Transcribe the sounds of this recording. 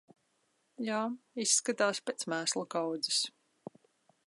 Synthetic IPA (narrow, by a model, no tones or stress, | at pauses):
jaːisːkat̪aːspʲet̪smæːslˠukawd̪zis